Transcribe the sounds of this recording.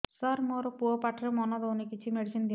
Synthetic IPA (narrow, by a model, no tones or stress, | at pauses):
saɾmoɾpuɔpaʈʰɾemɔnɔd̪ɔwnikit͡ʃʰimeɽisind̪i